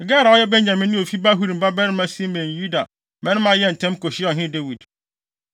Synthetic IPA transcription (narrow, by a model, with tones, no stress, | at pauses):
ɡɛ˦ɾa˨ɔ˦jɛ˦bɛ̃˦ɲ˨ã˨mɪ̃˦nʊ̃˦o˨fi˦ba˦ɦu˦ɾi˨m̩˨ba˦bɛ˦ɾɪ̃˦mã˦si˦mɛ̃˨ju˦da˨ | mɛ̃˦nʊ̃˦mã˦jɛ˦˨n̩˨tʰɛ̃˦m˦ko˨ɕɪ˦ɔ˨ɦɪ̃˦de˦wi˨d